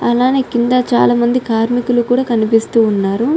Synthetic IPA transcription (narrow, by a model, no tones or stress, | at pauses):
ɐlaːne̞ːkind̪at͡ʃa̰ːlaːmɐnd̪ikaːɾmikulukuːɽaːkɐnipist̪uːnːaːɾu